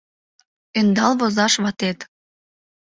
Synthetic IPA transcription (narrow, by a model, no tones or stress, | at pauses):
end̪ɑlβozɑʃβɑt̪et̪